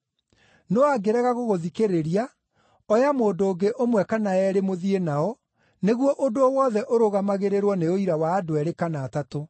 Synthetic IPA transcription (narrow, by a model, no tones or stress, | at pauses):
noaɡeɾɛɣaɣoɣoðikeɾeɾia | ɔjamoːdoːɡeʔomwɛkanaɛɾemoðienaɔ | neɣwɔʔodoɔwɔðɛʔoɾoɣamaɣeɾeɾwɔneoiɾawaːdoɛɾekanaːtato